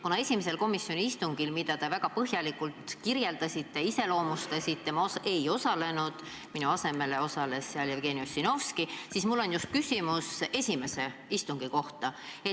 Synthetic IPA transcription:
kunɑe̞sʲimese̞lko̞misjo̞nʲiist̪uŋɡ̥ilmid̪ɑt̪e̞væɡ̥ɑpɤɦjɑlikult̪kirje̞ld̪ɑsʲit̪ːˑeise̞lo̞ːmust̪ɑsʲit̪ːe̞mɑose̞jo̞sɑle̞nud̪̥ | minuɑse̞me̞le̞o̞sɑle̞sːæljevɡe̞niosʲino̞fskisismulːo̞njust̪̚kysʲimuse̞sʲime̞se̞ist̪uŋɡ̥iko̞ht̪ɑe

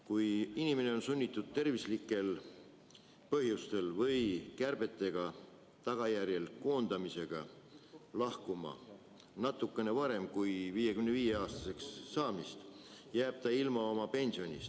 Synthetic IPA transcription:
kujinime̞ne̞o̞nsunʲːit̪ːˑud̪̥̚t̪e̞rvislikːˑe̞l | pɤ̞ɦjust̪e̞lvɤjkærb̥e̞t̪ːˑe̞ɡ̥ɑ | t̪ɑɡ̥ɑjæɾjelko̞ːnd̪̥ɑmise̞ɡ̥ɑ̰ | lɑhkumɑ̰ | nɑt̪ːˑukːˑe̞ne̞vɑɾe̞mkujviːje̞kymneviːje̞ɑːst̪ɑ̥se̞ksːɑːmist̪jæːb̥̚t̪ɑilmɑo̞mɑpe̞nʲsio̞nʲḭs

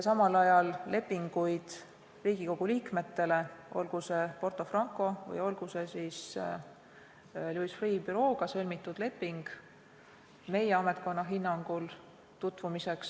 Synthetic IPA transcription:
jsɑmɑlɑjɑlːe̞pːiŋɡ̥ujd̪̥ | riːɡ̥iko̞ɡ̥uliːkme̞t̪ːe̞le̞ʔo̰lɡ̥use̞po̞rt̪ˑo̞frɑŋkˑo̞vɯ̰jo̞lɡ̥use̞sis | luisfriːbyɾo̞ːɡ̥ɑsɤlʲmit̪ːˑud̪̥le̞pːˑiŋɡ̥ | me̞jeɑme̞t̪̚ˑko̞nːɑɦinːɑŋɡ̥ul | t̪ut̪vumise̞ks

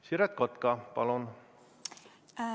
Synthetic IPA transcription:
siɾɛt̪̚kot̪kɑpɑ̰lun

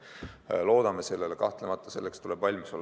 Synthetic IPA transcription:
lo̞ːd̪̥ɑmese̞lːelekɑ̰ht̪lemɑt̪ˑːɑ̥se̞̰lːekst̪uleb̥vɑlʲmiso̞lː

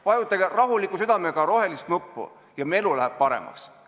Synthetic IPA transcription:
vɑjut̪ːˑɑɡerɑɦulikːˑusyd̪̥ɑmeɡ̥ɑɾo̞ɦe̞list̪nupːṵ | jɑme̞lulæɦæb̥̚pɑɾḛmɑ̰ks

